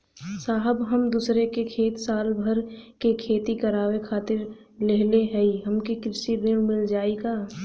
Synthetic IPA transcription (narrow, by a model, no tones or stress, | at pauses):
saːɦəbɦəmd̪usɾekekʰeːt̪saːlbʱəɾkekʰeːt̪ikəɾaːwekʰaːt̪ɪɾ | leɦleɦɛiɦəmkikɪɾsiɾeːɽmɪld͡ʒaːikaː